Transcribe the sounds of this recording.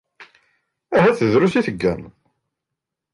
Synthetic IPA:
æɦæθəðɾusiθəɡːæ̰n

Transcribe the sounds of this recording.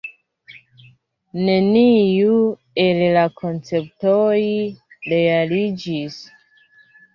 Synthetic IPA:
neniju | e̞llakʰont͡se̞p̚tojɾealid͡ʒis

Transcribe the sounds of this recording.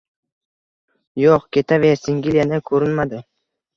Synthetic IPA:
joqkʲʰet̪ʰavesiŋɡʲilʲjanɪkʰɵɾɪnmad̪ɪ

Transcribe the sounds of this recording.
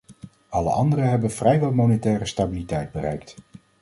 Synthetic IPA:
ɑlə̰ɑ̰ndərəɦɛbənv̥rɛjʋɛlˠmonɛtɛːrəstabilitɛjd̚bərɛ̰jkt

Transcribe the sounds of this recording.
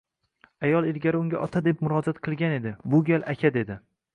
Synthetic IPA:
ajɒlˠelɡʲaɾɪʊŋɡʲaʔɒt̪ʰad̪ep̚mʊɾɒd͡ʒat̪qʰɨlˠɡʲane̞d̪ɪbʊɡʲalʔakʲʰad̪e̞d̪ɪ

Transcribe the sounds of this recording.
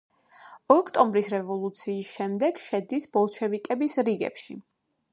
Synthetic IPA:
ɔkʰt̪ʼɔmbɾisɾɛvɔlˠut̪sʰiːsʃɛmd̪ɛɡʃɛd̪isbɔlˠʃʰɛvikʼɛbisɾiɡɛ̰pʃḭ

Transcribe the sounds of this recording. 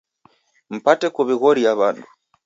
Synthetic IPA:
m̩patɛkuβiɣɔɾiaβandu

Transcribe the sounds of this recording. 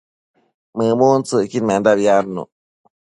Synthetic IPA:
mɯːmuːnsɯkinmɛndapjaːnːṵʔ

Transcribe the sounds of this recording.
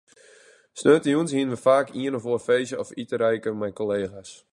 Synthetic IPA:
snøːtəjuənshiənʋəfaːkʰiənɔfoərfejzəɔfitəɾɛjkəmɛjkoleːɣas

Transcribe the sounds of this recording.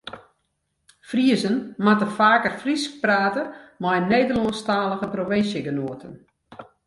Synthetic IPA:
friəzənmatəfaːkərfrisk̚praːtəmajneːdərlostaːləɣəproʋɪnsjəɡənuətən

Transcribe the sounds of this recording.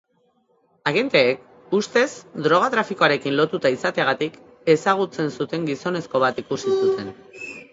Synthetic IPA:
aɣe̞nt̪e̞ːk | ust̪e̞sd̪ɾo̞ɣ̞at̪ɾafikoaɾe̞kinlo̞t̪ut̪aisat̪eaɣat̪ik | e̞saɣ̞ut͡se̞nsut̪e̞ŋɡiso̞ne̞sko̞β̞at̪ikusisut̪e̞n

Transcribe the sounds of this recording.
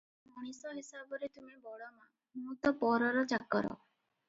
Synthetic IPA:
muɽ̃isɔɦisabɔɾet̪umibɔɭɔma | mũːt̪ɔpɔɾɔɾɔt͡ʃakːɔɾɔ̰

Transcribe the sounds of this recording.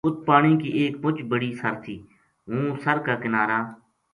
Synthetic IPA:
ʊt̪̚paːɳiːkiːʔeːk̚pʊt͡ʃbəɽiːsəɾt̪ʰiː | ɦũːsəɾkaːkɪnaːɾaː

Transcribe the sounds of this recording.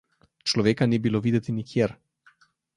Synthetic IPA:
t͡ʃlɔʋeːkanibiloʋiːd̪ɛt̪inikʰjeɾ

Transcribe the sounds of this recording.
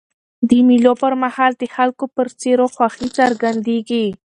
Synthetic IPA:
d̪əmilopəɾmahɑld̪əxalkopəɾt͡seɾoxwaxit͡saɾɡand̪eɡi

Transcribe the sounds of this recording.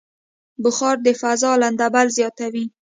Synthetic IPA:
bʊxɑɾd̪əfazɑland̪abalzjɑt̪awi

